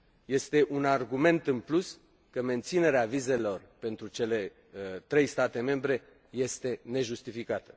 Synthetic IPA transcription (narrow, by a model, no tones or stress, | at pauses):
je̞st̪e̞ʔunarɡume̞nt̪ɨnplus | kəme̞nt̪sine̞ɾeavize̞lo̞rpe̞nt̪ɾut͡ʃe̞le̞ | t̪ɾe̞jst̪at̪e̞me̞mbɾe̞ | je̞st̪e̞ne̞ʒust̪ifikat̪ə